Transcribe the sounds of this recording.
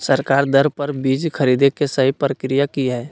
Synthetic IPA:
səɾkaːɾd̪əɾpɐɾbiːd͡ʒkʰəɾiːd̪ekesɐɦipɾəkɾijakiɦɛː

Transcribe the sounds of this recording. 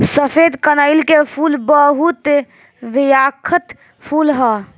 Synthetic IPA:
səpʰed̪kənajlkepʰulbəɦut̪ | ʋijakʰət̪ | pʰulɦə

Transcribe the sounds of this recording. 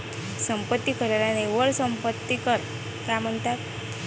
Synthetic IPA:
səmpət̪ːikəɾaɾaneʋəɾsəmpət̪ːikəɾ | kam̤əɳt̪at̪

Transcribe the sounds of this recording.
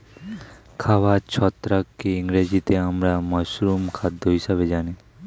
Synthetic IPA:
kʰaʋat͡ʃʰɔt̪ɾakːiɪŋɡɾed͡ʒit̪eamɾaməsɾumkʰat̪̚d̪oisabed͡ʒaːni

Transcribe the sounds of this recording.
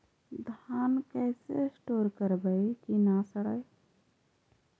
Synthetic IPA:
d̪ʱaːnkɛːsḛsʈoːɾkəɾbəekinasəɽəj

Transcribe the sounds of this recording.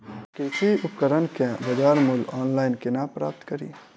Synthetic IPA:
keːsiʊp̚kəɾənkebɐd͡ʒaːɾmulɔːnlaːɪnkenaːpɾa̰ːp̚t̪kəɾḭː

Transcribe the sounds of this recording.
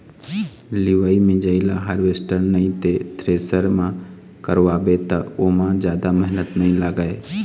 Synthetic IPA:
lɪʋaːimẽd͡ʒaɪlaɦəɾʋesʈəɾnəĩt̪et̪ɾeːsəɾmã | kəɾʋaːbet̪ɐomãd͡ʒjaːd̪amɛɦnət̪nəɦĩlaːɡaeː

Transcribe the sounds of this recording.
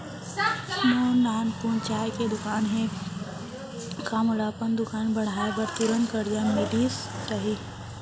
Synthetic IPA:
noːnːaːnkuːnt͡ʃaːjked̪ʊkaːnɦẽ | kamʊɽaːpənd̪ʊkaːnbɐɽ̤aːebəɾt̪uɾənkəɾd͡ʒaːmeɖiːs | ɾɐɦe

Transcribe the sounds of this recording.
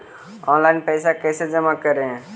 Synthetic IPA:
ɔnlaɪnpəjsakəjsed͡ʒəmakəɾẽ

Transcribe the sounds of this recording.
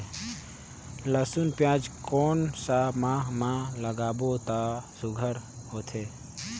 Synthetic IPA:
ləsunpjãːd͡ʒkoːnsamãːmãləɡaːbot̪asuɡʱəɾɦoːt̪ʰeː

